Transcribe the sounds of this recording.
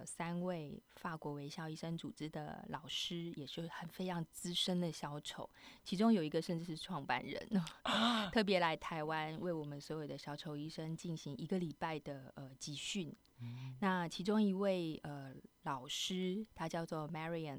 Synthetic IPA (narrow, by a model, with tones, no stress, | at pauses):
sa˥nwe˥˩ɪfa˥˩kwɔ˧˥we˧˥ɪɕjɑ˥ʊi˥˩ʂə˥ŋt͡su˨˩ʈ͡ʂɻ̩˥d̪ə̰˨lɑ˨˩ʊʂɻ̩˥jɛ˨˩ʂɻ̩˥˩xə˨˩nfe˥ɪjɑ˧˥ŋt͡sɹ̩˥ʂə˥nd̪ə˨ɕjɑ˧˥ʊt͡ɕʰjo˧˥˦ʊt͡ɕʰi˧˥ʈ͡ʂʊ˥ŋjo˨˩ʊi˧˥ɡə˧ʂə˥˧nʈ͡ʂɻ̩˥˧ʂɻ̩˥˧ʈ͡ʂʰwɑ˥˧ŋpa̰˥˧˩nɻə̰˧˦n | t̪ʰɤ˥˩p̬jɛ˧˥la˧˥ɪt̪ʰa˧˥ɪwa˥˦nwe˥˩ɪwɔ˨˩mə˦nswɔ˧˥jo˨˩ʊd̪ə˦ɕjɑ˧˥ʊt͡ɕʰjo˧˥ʊi˥˩ʂə˥ŋt͡ɕi˥˩nɕi˧˥ŋi˧˥ɡə˧˨li˨˩pa˥˩ɪd̪ə˩ə˩t͡ɕi˧˥ɕy˥˩n | na˥˩t͡ɕʰi˧˥ʈ͡ʂʊ˥ŋi˧˥we˥˩ɪə˧˩lɑ˨˩ʊʂɻ̩˥t̪ʰa˥t͡ɕjɑ˥˧ʊt͡swɔ˥˩mɛ˥ɹi˧ə˨˩n